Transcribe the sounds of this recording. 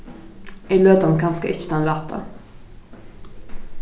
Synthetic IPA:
ɛɪløːd̪ɑnkʰɑnskə̰ʔɪt͡ʃːəd̪ɛnlɑːt̪ʰɑ̰

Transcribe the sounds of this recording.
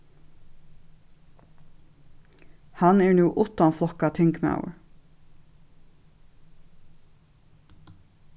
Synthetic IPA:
hanɛɹnuːʔʊt̪anflˠɔhkat̪ʰɪŋkma̰ʊw̰ɹ

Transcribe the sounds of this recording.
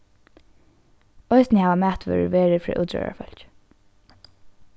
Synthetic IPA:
œʏsnəhæːʋamæːt̪ʋœ̰ɹʋeːɹɪfɹɑ̰ːʔuːt̪ɹœ̰a̰ɹfœl̥c

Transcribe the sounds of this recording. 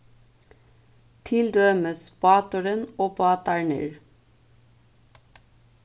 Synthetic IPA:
t̪ʰɪld̪œməsb̥ɑːt̪ɔɾənoːbɑːt̪æɹɳə̰ɹ

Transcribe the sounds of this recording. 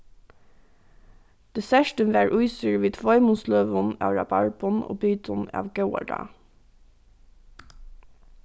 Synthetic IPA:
d̪̥əsæʃtənʋæːɹʔʉʏsəɹʋiːt̪ʰʋɔɪmʊnsløːʋɔnɑ̰ːʋɹɑ̰bɑɹpɔnʔo̰ːbyːt̪ʰɔnɑ̰ːʋɡ̥œʊɑ̰ɖɑ̰ː

